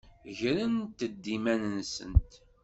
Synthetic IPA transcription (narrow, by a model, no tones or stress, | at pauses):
ʝɾənt̪əd̪ːimænənsə̰nt̪